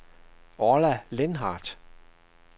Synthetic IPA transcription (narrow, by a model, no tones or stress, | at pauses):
ɒlælenɦɑ̰ːd̥